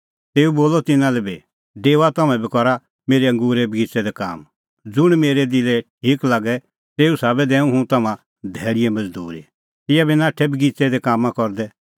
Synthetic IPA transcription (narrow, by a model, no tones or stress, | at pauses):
t̪eːuboːlɔt̪ɪnãlɛbe | ɖeːʋat̪ɐmɛ̃bikɔɾa | meːɾeɐ̃ŋɡuːɾɛbɡit͡sɛd̪ɛka̰ːm | d͡zʊɽ̃meːɾɛd̪ɪlɛʈ̚ʰiːklaːɡɛ | t̪eːusaːbɛd̪ɛ̃ːũɦũt̪ɐmã | d̪ʱɛːɽɪjɛmɐd͡zd̪ṵːɾḭ | t̪ɪjabinaːʈʰɛbiɡit͡sɛd̪ɛkaːmãkɔɾd̪ɛ